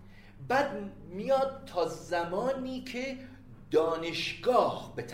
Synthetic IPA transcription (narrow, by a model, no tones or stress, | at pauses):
bæːd̪̚ | mijɒːd̪̚t̪ʰːɒːzæmɒːniːkʰe | d̪ɒːneʃɡɒːhbet̪ʰ